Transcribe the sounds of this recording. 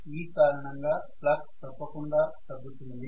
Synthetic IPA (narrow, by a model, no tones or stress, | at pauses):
iːkaːɾɐɳɐŋɡaːplɐk̚t̪ɐpːɐkuɳɖaːʈ̪ɐbːut̪und̪i